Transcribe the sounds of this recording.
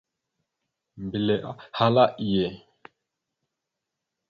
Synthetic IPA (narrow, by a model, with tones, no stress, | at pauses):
m˨bi˨lɛ˨ʔa˦ha˦la˦ʔi˨jɛ˨